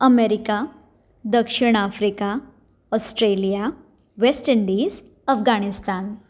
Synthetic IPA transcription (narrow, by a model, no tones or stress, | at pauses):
əmeɾika | d̪əkʂiɽ̃afɾika | ɔsʈɾelija | ʋesʈiɳɖis | əfɡaɽ̃ist̪aːn